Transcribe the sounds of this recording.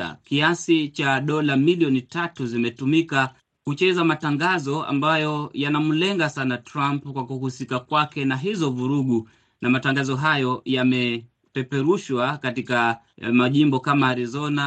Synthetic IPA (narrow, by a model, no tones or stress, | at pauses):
a̰kiasit͡ʃaɗɔlamiliɔnitatuzimɛtumika | hut͡ʃɛzamataŋɡazɔa̰mbajɔjanamulɛŋɡasanatɾampkwakuhusikakwakɛnaɦizɔvuɾuɠu | namataŋɡazɔɦajɔjamɛ | pɛpɛɾuʃwakatika | maʄimbɔkamaːɾizɔna